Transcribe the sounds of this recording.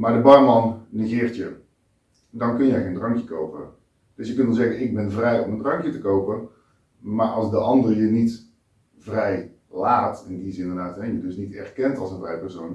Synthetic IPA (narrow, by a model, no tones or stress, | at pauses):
madəbɑrmɑnnəɣɪːrtjə | dɔnkønjɛɣeːndrɑŋkjəkowpə | d̥øsjəkøntʋɔlˠzɛɣənɪɡ̚bɛnvrɛjɔməndrɑŋkjətəkowpə | marʔɑlˠsdəʔɑndərjənit | vrɛj | laːtɪndisɪndərdaːtɦɛjədøsnitɛ̰rkɛntɑlˠsənvrɛjpɛrsoːn